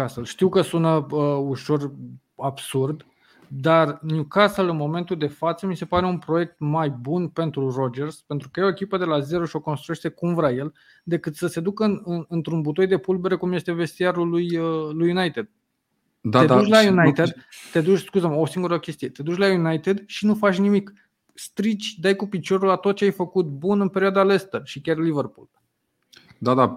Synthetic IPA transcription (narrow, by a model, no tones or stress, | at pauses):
asəlʃt̪iwkəsunəəuʃo̞r | absurd̪ | d̪arnjukasəlɨnmo̞me̞nt̪uld̪e̞fat̪səmise̞paɾe̞unpɾo̞je̞k̚t̪majbunpe̞nt̪ɾuro̞d͡ʒe̞rspent̪ɾukəjeoe̞kʲipəd̪e̞laze̞ɾoʃio̞ko̞nst̪ɾujeʃt̪e̞kumvɾaje̞l | d̪e̞kɨt̪səse̞d̪ukəɨnɨnɨnt̪ɾunbut̪o̞jd̪e̞pulbe̞ɾekumje̞st̪e̞ve̞st̪iaɾulujəlujːunajt̪e̞d̪̥̚ | d̪aed̪ut͡ʃlajunajt̪ed̪t̪e̞d̪ut͡ʃʲskuzəmosiŋɡuɾəkʲe̞st̪ije̞t̪e̞d̪ut͡ʃʲlajunajt̪ed̪ʃinufat͡ʃʲnimik | st̪ɾit͡ʃʲd̪ajkupit͡ʃo̞ɾulat̪ot̪̚t͡ʃeajfəkut̪̚bunɨnpeɾiuad̪ale̞st̪əʃikʲarliverpulb | d̪ad̪a